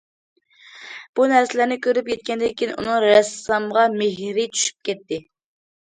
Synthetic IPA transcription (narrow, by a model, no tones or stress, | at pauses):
b̥unæɾsɪlæɾnɪkʲʰøɾyp̚kʲɛt̪̚kʲɛnd̪ɛkʲʰinʔṵnɨŋɾɛsːɑmʁɑmeɦɾɪt͡ʃʰy̥ʃy̥p̚kʲɛt̪ːɪ